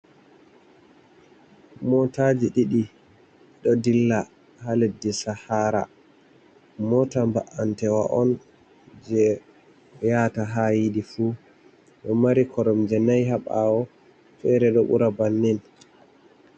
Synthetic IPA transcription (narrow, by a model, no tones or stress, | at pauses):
mɔtad͡ʒiɗiɗi | ɗɔdilːa | haledːisahaɾa̰ | mɔtambaʔantɛwa̰ʔɔn | d͡ʒɛ | jataɦajiɗifu | ɗɔmaɾikʰɔɾɔmd͡ʒɛnajɦaɓawɔ | fɛɾɛɗɔɓṵɾabanːin